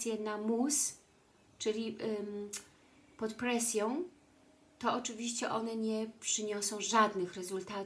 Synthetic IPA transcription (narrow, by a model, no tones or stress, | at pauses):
sʲjɛnamus | t͡ʂɘlʲi | pɔt̪pɾɛsʲjɔ̃w̃ | t̪ɔɔt͡ʂɘvʲiɕt͡ɕɛʔɔnɛɲɛpʂɘɲɔsɔ̃w̃ʐad̪nɘxɾɛzult̪at̪